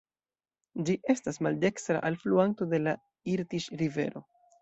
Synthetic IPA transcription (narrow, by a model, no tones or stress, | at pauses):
d͡ʒiʔe̞stasmalde̞kstɾa̰ʔalfluanto̞de̞la | iɾtiʃɾive̞̰ɾo̞̰